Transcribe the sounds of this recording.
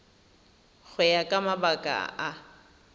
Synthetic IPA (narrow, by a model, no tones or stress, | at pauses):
ɣʰʊjakʼamabakʼa̰a